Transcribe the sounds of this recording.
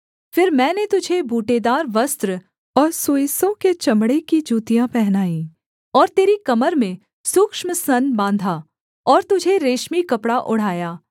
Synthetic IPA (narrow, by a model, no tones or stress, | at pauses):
fɪɾmɛ̃ːnet̪ʊd͡ʒʱebʱuːʈed̪aːɾʋɐst̪ɾə | ɔːɾsoːjisõket͡ʃɐmɽekid͡ʒuːt̪ijãpɛɦnaːĩː | ɔːɾt̪eːɾikɐməɾmẽ | sʊkʃməsɐnbãːnd̪ʱa | ɔːɾt̪ʊd͡ʒʱeɾeːʃmikɐpɽaʔʊɽ̤aːjaː